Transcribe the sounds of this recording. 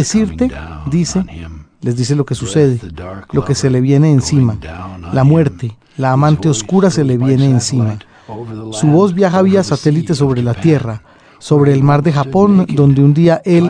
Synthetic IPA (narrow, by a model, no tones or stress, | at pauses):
esiɾt̪e̞d̪isele̞zd̪is̬e̞lo̞ke̞suse̞ð̞e̞lo̞ke̞se̞le̞βje̞ne̞ːnsimalamwe̞ɾt̪e̞ | laːmãnt̪e̞oskuɾase̞le̞βje̞ne̞ːnsima | suβo̞zbjaxaβiasat̪e̞lit̪e̞s̬o̞βɾe̞lat̪je̞ra | so̞βɾe̞ːlmaɾd̪e̞xapo̞nd̪o̞nd̪eund̪iaʔe̞l